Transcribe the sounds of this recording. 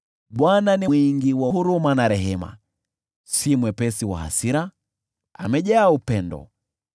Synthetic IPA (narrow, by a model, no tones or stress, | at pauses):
ɓwananiiŋɡiwaɦuɾumanaɾɛɦɛma̰ | simwɛpɛsiwa̰ha̰siɾa | a̰mɛʄaaupɛndɔ̰